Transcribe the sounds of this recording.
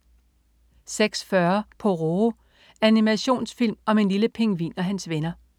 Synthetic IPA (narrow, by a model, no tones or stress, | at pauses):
seɡ̥sfɶɐpʰɒ̽ʁo | ænimæɕo̝̰ːnsfil̰mɒ̽me̝nliləpʰe̝ŋʋḭːnɒ̽ɦænsʋenɐ